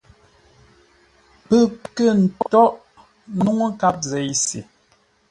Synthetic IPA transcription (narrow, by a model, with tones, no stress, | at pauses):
pə˦kə˦˨n̩˨tɔ˦ʔ | nu˦ŋo˦ka˦p̚zɛ˨˦jsḭ˨